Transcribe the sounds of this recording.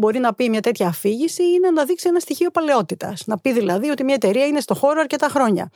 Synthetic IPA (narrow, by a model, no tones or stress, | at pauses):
bo̞ɾinɐpimɲɐt̪e̞t̪çɐːfiʝisiine̞nɐðiksienɐst̪içio̞pɐle̞o̞t̪it̪ɐ̰snɐpiðilɐðio̞t̪imɲɐe̞t̪e̞ɾiɐine̞st̪o̞xo̞ɾoɐɾce̞t̪ɐxɾo̞ɲɐ̰